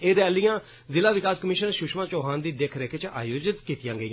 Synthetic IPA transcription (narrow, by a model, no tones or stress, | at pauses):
eːɾɛːlijãː | zɪlaːʋɪkaːskəmɪːʃənʃʊʃmãːt͡ʃɔːɦãːnd̪iːd̪ekʰɾɛkʰet͡ʃa̰ːjoːd͡ʒɪt̪kiːt̪ɪjãːɡəiːãː